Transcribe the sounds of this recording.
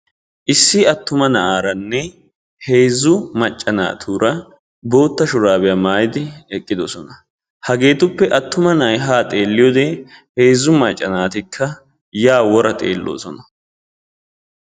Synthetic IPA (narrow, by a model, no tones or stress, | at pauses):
ʔɪsːɪɐt̪ːʊmɐnɐʔaːɾɐnːɛ | he̞ːzʊmɐt͡ʃʼːɐna̰ːt̪ʰuːɾʔɐ | bo̞ːt̪ːɐʃʊɾaːbɛjamaːjɪd̪ɪɛkʼːɪd̪osɔnɐ | hɐɡe̞ːt̪ʊpːɛʔɐt̪ːʊmɐnɐɐjɦaːt̪ʼe̞ːlːɪjoːd̪eheːzʊmɐt͡ʃʼːɐnaːt̪ɪkʰːɐ | jaːwɔɾɐt̪ʼḛːlːʔo̞̰ːsɔnɐ